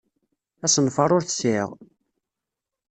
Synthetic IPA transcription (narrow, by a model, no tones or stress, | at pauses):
æsənfɑɾˤʊɾθə̥sɪʁ